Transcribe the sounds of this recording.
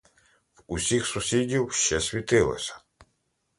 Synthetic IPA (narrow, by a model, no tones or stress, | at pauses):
wusʲixsʊsʲidʲiwʃt͡ʃɛsʲʋʲit̪ɪlˠɔ̰sʲɐ̥